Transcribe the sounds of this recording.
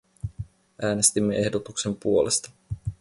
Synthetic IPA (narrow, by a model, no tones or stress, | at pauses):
ʔæːne̞st̪imːe̞ʔe̞hdot̪ukse̞mpuo̞lest̪ɑ̥